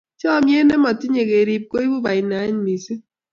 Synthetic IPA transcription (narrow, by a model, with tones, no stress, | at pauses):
t͡ʃɔ˦˨mje˦ne˦mɔ˨ti˦ɲe˨ke˨ɾi˨p̚ko˦i˦bu˦ba˨i˨na˨˦ɲ˦mi˨si˦